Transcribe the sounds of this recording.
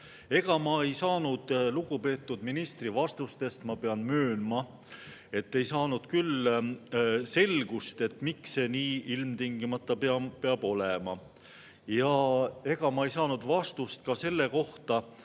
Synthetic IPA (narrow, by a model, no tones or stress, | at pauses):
e̞ɡ̥ɑmɑe̞jsɑːnud̪̥luɡupe̞ːt̪ːˑud̪̥minist̪rivɑst̪ust̪e̞st̪mɑpeɑnmøːnmɑ | e̞t̪ːe̞jsɑːnud̪̥kyl | se̞lɡ̥ust̪e̞t̪ːmikse̞niːilmt̪iŋɡ̥imɑt̪ːˑɑpeɑpeɑb̥o̞lemɑ | jɑe̞ɡ̥ɑmɑe̞jsɑːnud̪̥vɑst̪ust̪̚kɑse̞lːe̞ko̞ht̪ɑ